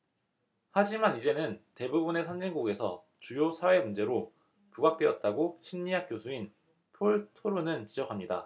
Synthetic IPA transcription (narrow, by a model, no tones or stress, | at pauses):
had͡ʑimanid͡ʑe̞nɯnte̞bubune̞sʰand͡ʑinɡoɡe̞sʰʌ | t͡ɕujosʰawe̞mund͡ʑe̞ɾo | puɡak̚t͈we̞ʌt̚t͈aɡoɕʰinɲiɦak̚k͈josʰuin | pʰoɭtʰoɾunɯnt͡ɕid͡ʑʌkʰamɲida̰